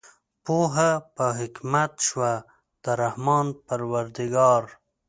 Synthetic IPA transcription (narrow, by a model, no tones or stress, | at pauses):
poɦapəɦɪkmat̪ʃwa | d̪̥əɾahmɑːnpaɾwaɾd̪iɡɑːɾ